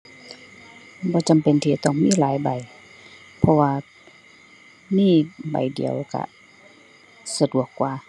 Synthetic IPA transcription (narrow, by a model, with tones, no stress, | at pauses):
bɔː˧˦t͡ɕa˨mpe˨nt̪ʰiː˧˩t̪ɔː˧˩ŋmiː˧˥˨laː˨˦jba˨˩j | pʰɔ˧waː˧ | miː˧˥˩ba̰˨˩jdḭ˨˩əwka̰˧˩ | sa˧du˨˩əkːwaː˧˩